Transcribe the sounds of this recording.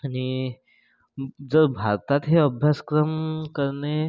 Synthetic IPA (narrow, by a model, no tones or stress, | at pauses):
añi | d͡zəɾbʱaɾt̪at̪ɦeəbʱjaskɾəmkəɾne